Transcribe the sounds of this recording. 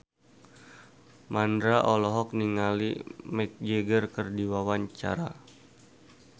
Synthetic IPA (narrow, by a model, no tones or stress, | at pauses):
mandɾaʔɔlɔɦɔk̚niŋalḭmɛk̪̚d͡ʒeɡərkərdiwawaɲt͡ʃaɾa